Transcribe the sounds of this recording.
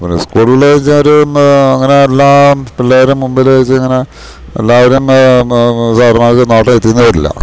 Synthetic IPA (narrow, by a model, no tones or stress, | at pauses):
ponḛskuːɭɣɐɭeɐt͡ɕːɨoɾuɐŋːɐne̞ːlːaːpilːaːʋɐɾumːumbɐilɐt͡ɕːɨɐŋːɐne̞ | elːaːʋɐɾum | saːrɐmaːkːɨnaːʈːet̪ːikunːɐðilːɐ̰